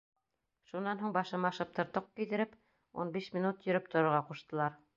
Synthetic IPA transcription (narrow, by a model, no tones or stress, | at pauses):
ʃunːɑnɦuɴbɑʃɤ̆mɑʃɤp̚t̪ŏɾt̪ɤq̚kijd̪ɘ̆ɾɘp | unbiʃmʲinut̪jɵ̆ɾɘp̚t̪ʰŏɾŏɾʁɑquʃt̪ɤ̆lˠɑɾ